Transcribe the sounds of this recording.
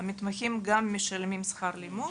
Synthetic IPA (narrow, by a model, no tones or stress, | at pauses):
mit̪maximɡamːeʃalmimsχaɾlimu